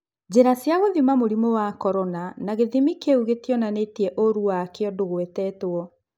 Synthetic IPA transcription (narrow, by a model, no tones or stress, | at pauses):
d͡ʑeɾasjaɣoðimamoɾimowakɔɾɔnanaɣeðimikeuɣetiɔnanetiɛʔoɾuwakeɔdoɣwetɛːtoɔ